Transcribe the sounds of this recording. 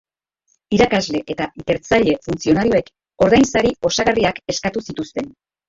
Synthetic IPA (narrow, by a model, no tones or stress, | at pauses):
iɾakazle̞ʔe̞t̪ait̪e̞ɾt͡saʎe̞funt͡sio̞naɾioe̞k | o̞ɾðajnsaɾio̞saɣariake̞skat̪usit̪ust̪e̞n